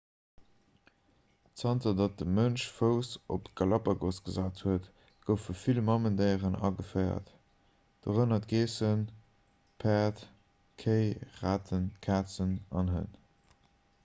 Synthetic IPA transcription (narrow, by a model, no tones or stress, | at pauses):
t͡sɑntɐdɑt̚dəmənʃfəʊsopɡɑlɑpɐɡosɡ̥əzaːthuət | ɡ̥əʊfəfilmɑməndeɪəʁənɑ̰ɡəfɜɪɐ̰t | d̥oʁənɐtɡeːsən | pʰæːt | kʰəɪʁaːtʰənkʰaːt͡sənɑnɦə̰n